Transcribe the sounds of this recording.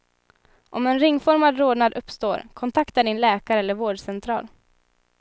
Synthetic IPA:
ʔɔmɛnɾɪŋːfɔɾmad̪ɾoːd̪nad̪ɵpːst̪oːɾkʰɔnt̪ʰakt̪aɖɪnlɛːkaɾəɛlːəɾvoːɖʂɛnt̪ʰɾɑ̰ːl

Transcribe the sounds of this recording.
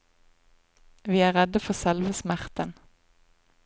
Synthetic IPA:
ʋiːæːʁɛd̪əfɔʁsɛlʋəsmæʁt̪ən

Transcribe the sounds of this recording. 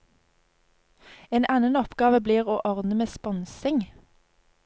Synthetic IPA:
eːnʔɛnənɔpɡɑːʋəbliːʁoːʔɔʁd̪nəmeːspɔnsɪŋ

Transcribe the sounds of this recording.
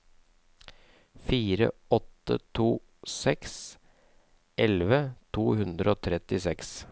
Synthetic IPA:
fiːɾə̰ɔt̪ːə̰t̪ʰuː | sɛks | ʔɛlʋət̪ʰuːhʉnd̪ɾəoːt̪ʰɾɛt̪ɪsɛks

